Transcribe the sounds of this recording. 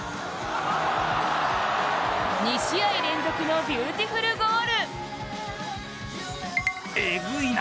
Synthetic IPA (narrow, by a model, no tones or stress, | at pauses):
ɲiɕiaiɾẽ̞nd̪o̞kʲino̞bʲjɯːt̪ʲiɸɯ̟ɾɯ̟ɡoːɾɯ | eɡɯi